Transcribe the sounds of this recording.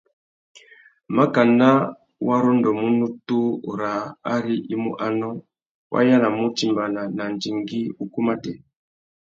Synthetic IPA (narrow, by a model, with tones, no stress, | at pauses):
ma˦ka˨na˦ | wa˦ɾɔ˦ndɔ˨mu˦nu˦tu˦˨ɾa˨a˦ɾi˦ʔi˦mṵ˦ʔa˦nɔ˦ | wʔa̰˦ja˦na˨mu˦ti˨mba˨na˨na˨n˨d͡ʒi˨ŋɡi˦u˨ku˦ma˦tɛ˨